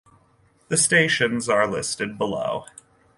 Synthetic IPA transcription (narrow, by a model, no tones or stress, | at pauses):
ðɨsteɪʃɨ̃nzə˞lɪ̰stɨd̚bəlo̰ʊ